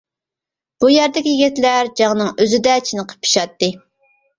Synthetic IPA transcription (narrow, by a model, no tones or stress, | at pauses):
b̥ujæɾd̪ɪkʲijɡʲit̪læɾd͡ʒɑŋnɨŋøzɪd̪ɛt͡ʃʰinɨqʰə̥pʰːi̥ʃɑt̪ːɨ